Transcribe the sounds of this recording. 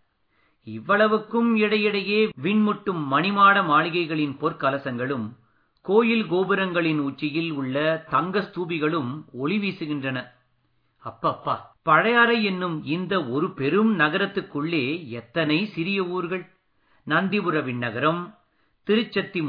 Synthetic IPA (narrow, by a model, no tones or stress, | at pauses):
ɪʋːɐɭɐʋɯkːɯmɪɽɐjɪɽɐjeːʋɪɳmʊʈːɯmːɐnɪmaːɽɐmaːɭɪɣɐɪɣɐɭɪnpɔɾkɐlɐsɐŋɡɐɭɯm | koːjɪlɡoːbɪɾɐŋɡɐɭɪnuːt͡ʃːɪjɪlʊɭːɐt̪ɐŋɡɐst̪uːbɪɣɐɭɯmɔɭɪʋiːsɯɣɪndrɐnɐ | ɐpːɐpːa̰ːpɐɻɐjaːɾɐɛnːɯmɪnd̪ɐɔɾɯpɛɾɯmnɐɣɐɾɐt̪ːɯkːɯɭːeːɛt̪ːɐnɐɪsɪɾɪjɐuːɾɣɐɭ | nɐnd̪ɪbɯɾɐʋɪɳːɐɣɐɾɐm | t̪ɪɾɯt͡ʃːɐt̪ːi